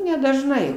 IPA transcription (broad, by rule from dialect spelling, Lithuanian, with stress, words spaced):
nʲɛdɐʒˈnɐɪ